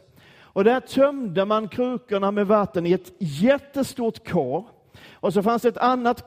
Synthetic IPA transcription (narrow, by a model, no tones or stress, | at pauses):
ɔd̪æʈ̪ʰœmd̪əmankʰɾʉ̟ːkəɳamɛvat̪ːənɪɛt̪jɛt̪ːəst̪uːʈkʰɑːɾ | ʔɔs̬ɔfansd̪ɛt̪anːat̪